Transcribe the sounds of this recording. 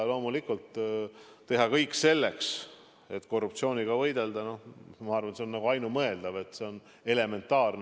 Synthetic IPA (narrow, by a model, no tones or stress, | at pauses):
lo̞ːmulikult̪ː | e̞ɦɑkɤjkːˑse̞lːe̞ks | e̞t̪ːko̞rːupt̪sio̞ːniɡ̥ɑvɤjd̪̥e̞ld̪ɑno̞hmɑɑrvɑnt̪sennɑɡ̥uɑjnumɤ̞e̞ld̪̥ɑve̞t̪se̞o̞n | e̞le̞me̞nt̪ːˑɑːrn